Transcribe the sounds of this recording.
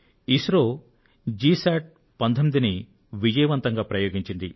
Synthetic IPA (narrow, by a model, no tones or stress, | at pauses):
isɾoː | d͡ʒiːsaːʈ̚ | pɐnt̪ʰomid̪ini | ʋid͡ʒɐjɐʋɐnt̪ɐŋɡaːpɾɐjoːɡiɲt͡ʃind̪i